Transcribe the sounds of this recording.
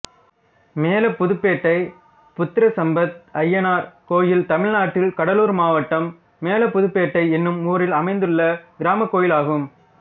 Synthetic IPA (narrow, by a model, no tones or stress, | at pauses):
meːlɐpːʊðɯpːeːʈːɐɪ | pʊt̪ːɪɾɐsɐmbɐt̪̚ɐjːɐnaːɾkoːjɪlt̪ɐmɪɻnaːʈːɪlkɐɽɐluːɾmaːʋɐʈːɐmː | eːlɐpːʊðɯpːeːʈːɐɪɛnːɯmuːɾɪlɐmɐɪnd̪ɯɭːɐɡɪɾaːmɐkːoːjɪlaːɣɯm